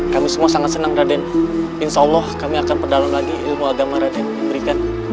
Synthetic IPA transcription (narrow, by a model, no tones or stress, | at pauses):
kamisəmuasaŋat̪̚sənaŋradɛn | ɪnsaulːɔhkamiakanpərdalamlaɡilmuaɡamaɾadɛnməbəɾikan